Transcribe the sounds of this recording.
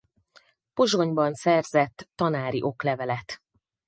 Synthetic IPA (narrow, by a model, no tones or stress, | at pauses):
po̞ʒo̞ɲbɒnsɛrzɛt̪ːɒnaːɾiʔo̞klɛvɛlɛt̪